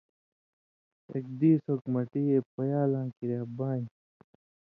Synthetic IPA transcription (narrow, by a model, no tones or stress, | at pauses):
ḛk̚d̪iːsokmɐʈiːepɐjaːlãːkiɾaːbaːi